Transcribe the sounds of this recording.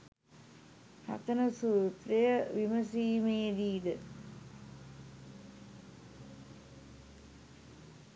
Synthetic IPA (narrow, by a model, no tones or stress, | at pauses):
ha̰t̪ɐnəsuːt̪ɾɐjəʋiməsiːmeːd̪iːd̪ə